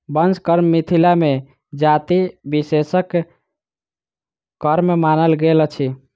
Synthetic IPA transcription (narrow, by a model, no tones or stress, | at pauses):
bənd͡ʒkəɾmːit̪ʰilame | d͡ʒat̪ibisesək | əɾmːemanəlɡelt͡ʃʰi